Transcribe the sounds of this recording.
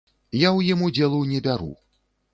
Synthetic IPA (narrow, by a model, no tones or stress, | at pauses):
jawjimud͡zʲɛlˠunʲɛbʲaɾṵ